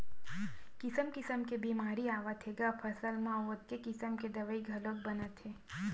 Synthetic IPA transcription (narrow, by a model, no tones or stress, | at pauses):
kɪsəmkɪsəmkebiːmaːɾiaːʋət̪ʰeɡapʰɐsəlmãoːt̪̚kekɪsəmked̪ɐʋəiɡʱɐlok̚bɐnət̪ɦeː